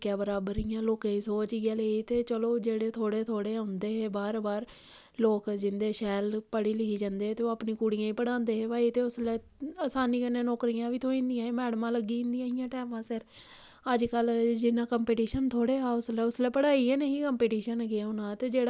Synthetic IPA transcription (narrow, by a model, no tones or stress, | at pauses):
kjaːbəɾaːbəɾiːjãːloːkãːĩːsoːt͡ʃːɡaːleit̪eːt͡ʃəloːd͡ʒeːɽeːt̪ʰoːɽeːt̪ʰoːɽeːãnd̪eːɦeːbaːɾbaːɾ | loːkd͡ʒɪnd̪eːʃɛːlpəɽiːlɪkiːd͡ʒãːnd̪eːt̪eːoaːpniːkuːɽijãːĩːpəɽãːnd̪eːɦeːʋaːit̪eːʊslɛː | aːsaːniːkənːẽːnoːkɾijãːʋiːt̪ʰoːĩnd̪ijãːeːmɛːɽmãːləɡːiːɪ̃nd̪ɪj̃ːɪjãːʈɛːmãːsɪɾ | əd͡ʒkəld͡ʒɪnãːkəmpeːʈiːʃənt̪ʰoːɽeːaːʊslɛːʊslɛːpəɽaːiɛːneĩːkəmpeːʈiːʃənɡɪaːʊnãːt̪eːd͡ʒeːɽ